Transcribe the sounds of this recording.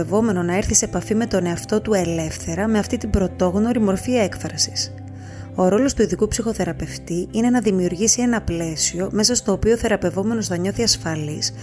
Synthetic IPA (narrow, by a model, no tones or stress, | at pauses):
evo̞me̞no̞nɐeɾθise̞pɐfime̞t̪o̞ne̞ɐft̪o̞t̪ue̞le̞fθe̞ɾɐme̞ɐft̪it̪ibɾo̞t̪o̞ɣno̞ɾimo̞ɾfiekfɾɐsi̥s | o̞ɾo̞lo̞st̪uiðikupsixo̞θe̞ɾɐpe̞ft̪iine̞nɐðimiuɾʝisie̞nɐple̞sio̞me̞sɐst̪o̞ːpioθe̞ɾɐpe̞vo̞me̞no̞snɐɲo̞θiɐsfɐlis